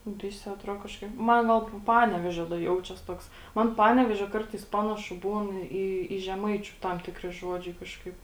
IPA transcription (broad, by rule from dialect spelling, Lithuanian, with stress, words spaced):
ˈʋʲɪsʲɪ ɐˈtroː kɐʃˈkɐɪp ˈmɐn ˈɡɐlˠ ˈpɑːnʲɛʋʲeːʒʲoː dɐ ˈjɛʊt͡ʃʲɛs ˈtoːks ˈmɐn ˈpɑːnʲɛʋʲeːʒʲoː ˈkɐrtɐɪs ˈpɑːnɐʃʊ ˈbuːn ˈiː iː ʒʲɛˈmɐɪt͡ʃʲʊ ˈtɐm ˈtʲɪkrʲɪ ˈʒuɔd͡ʒʲɛɪ ˈkɑːʃkɐɪp